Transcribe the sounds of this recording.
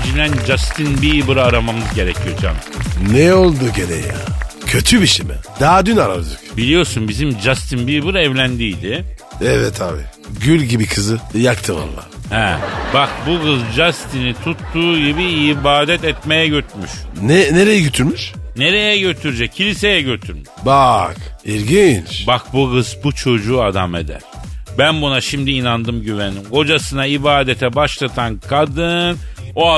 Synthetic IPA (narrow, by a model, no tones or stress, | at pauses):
d͡ʒilʲænd͡ʒast̪ʰinbibɯɾaːɾamamɯzɟe̞ɾɛcʰijo̞d͡ʒa̰mnɛo̞lˠd̪uɟeɾɛ̰jja̰cʰøt̪ʰybiʃimɛ̰d̪̥aad̪ynaɾa̰blˠɯkbilʲijo̞sunbizimd͡ʒast̪ʰinbibɯɾɛvlʲænd̪ijd̪ɪ | ɛvɛt̪ʰaːbi | ɟylʲɟibikʰɯzɯjakt̪ʰɯva̰lˠːa̰ːhɛbakbuɡɯzd͡ʒast̪ʰinit̪ʰut̪ːuːɟibiibaːd̪ɛt̪ɛt̪me̞jɛɟøt̪myʃnɛneɾejɛɟøt̪ʰyɾmyʃne̞ɾe̞jɛɟø̞t̪ʰyɾyd͡ʒɛccʰːilʲise̞jɛɟø̞t̪ʰyɾmyʃbakiɾɟint͡ʃbak̚buɡɯzbut͡ʃʰo̞d͡ʒuːad̪ame̞̰d̪æ̰ɾ̥bænbunaʃimd̪iːnand̪ɯmɟyvenimko̞d͡ʒasɯnaibaːd̪et̪ʰɛbaʃlˠat̪ʰankʰad̪ɯnno̞a